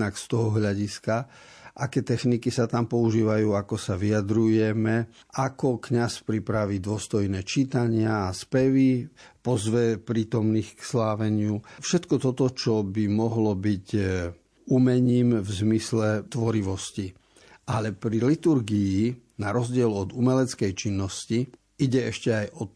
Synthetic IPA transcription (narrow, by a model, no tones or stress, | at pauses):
nakst̪ɔɦɔɦʎaɟiska | ʔakɛːt̪ɛxnikisat̪ampɔuʒiːʋajuːakɔsaʋiad̪ɾujɛmɛ | ʔakɔkɲaspɾipɾaʋiːd̪ʊɔst̪ɔjnɛːt͡ʃiːt̪aɲɪaːspɛʋipɔzʋɛpɾiːt̪ɔmniːxkslaːʋɛɲɪufʃɛt̪kɔt̪ɔt̪ɔt͡ʃɔbimɔɦlɔbic | umɛɲiːmvzmislɛt̪ʋɔɾiʋɔsci | ʔalɛpɾilit̪uɾɡii | naɾɔzɟɪɛlɔd̪umɛlɛt͡skɛjt͡ʃinːɔsci | iɟɛɛʃcɛajɔt̪